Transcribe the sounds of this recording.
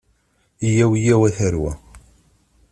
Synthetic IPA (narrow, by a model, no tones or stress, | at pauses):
ijæwijæwæθəɾwæ̰